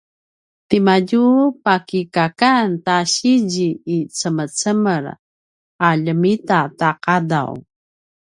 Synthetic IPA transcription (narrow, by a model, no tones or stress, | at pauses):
timaɟupakikakantaɕiɟiːt͡səmət͡səməɾ | aʎəmitataqada̰w